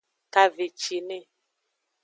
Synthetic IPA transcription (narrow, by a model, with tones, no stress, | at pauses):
ka˨ve˨t͡ʃi˨ne˦˨